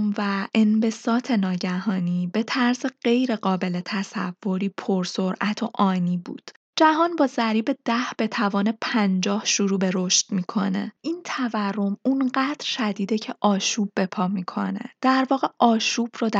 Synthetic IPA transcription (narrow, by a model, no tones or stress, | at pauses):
mvæʔenve̞sɒːt̪ʰe̞nɒːɟæɦɒːniːbe̞t̪ʰæɾzeɢ̥e̞jɾe̞ɢɒːbe̞le̞t̪ʰæsæ̰v̥ːo̞ɾiːpʰoɾso̞ɾʔæt̪ʰo̞ʔɒːniːbṵːd̪̥ | d͡ʒæɦɒːnbɒːzæɾiːbe̞d̪̥æhb̥e̞t̪ʰævɒːnepʰænd͡ʒɒːhʃuɾuːbe̞ɾo̞ʃt̪miːkʰo̞ne̞̰ʔiːnt̪ʰæværːo̞munɢæd̪̥ɾʃæd̪iːd̪ecʰeʔɒːʃuːbːe̞pʰɒːmikʰo̞̰ne̞̰d̪̥æɾvɒːɣe̞ʔɒːʃuːb̥rod̪æ